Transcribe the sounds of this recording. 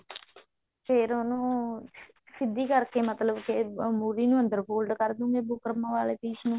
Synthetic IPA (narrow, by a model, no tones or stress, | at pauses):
pʰeːɾonũː | sɪd̪ːiːkəɾkeːmət̪ləbkemuːɾiːnũːə̃nd̪əɾpoːlɖkəɾd̪ũːɡeːbʊkəɾmãːʋaːleːt̪iːʃnũː